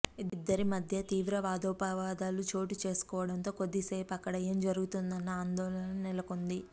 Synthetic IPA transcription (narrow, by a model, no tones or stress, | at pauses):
id̪id̪ːɐɾimɐd̪ʱjɐt̪iːʋɾɐʋaːd̪ɔːpaʋaːd̪aːlut͡ʃo̞ːʈit͡ʃe̞ːsu̥kɔːʋɐɽɐnt̪o̞ːko̞d̪ːiseːpɐkːɐɽɐe̞ːmd͡ʒɐɾuɡut̪und̪ɐnːɐaːnd̪ɔːlɐnɐnɛlɐko̞nd̪i